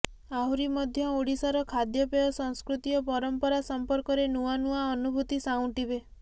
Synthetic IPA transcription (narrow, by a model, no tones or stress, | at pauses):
auɾimɔd̪ʱjɔoɽisaɾɔkʰad̪jɔpejɔsɔŋskɾut̪ijɔpɔɾɔmpɔɾasɔmpɔɾkɔɾenuanuaɔnubʱut̪isaw̃ʈibe